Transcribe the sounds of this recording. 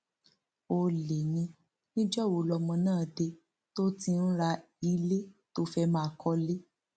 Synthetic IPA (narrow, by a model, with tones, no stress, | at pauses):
o˧le˨jĩ˧ | nĩ˦d͡ʒɔ˦˨wo˨˧˦lɔ˧mɔ̃˧nãː˦˨de˧ | to˦ti˧n̩˦ɾa˧ | i˧le˦to˦fɛ˧˦mãː˦˧kɔ˧le˦